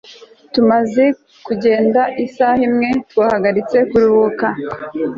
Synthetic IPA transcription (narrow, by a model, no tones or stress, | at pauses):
tumaze̞ | kuɟe̞ːndaʔisahimŋe̞twahaɡaɾit͡se̞kuɾuβoka